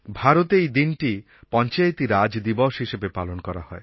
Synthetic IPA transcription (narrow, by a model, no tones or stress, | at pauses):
bʱaɾot̪ejd̪inʈi | pɔnt͡ʃajt̪iɾad͡ʒd̪ibɔʃɦiʃebepalonkɔɾahɔe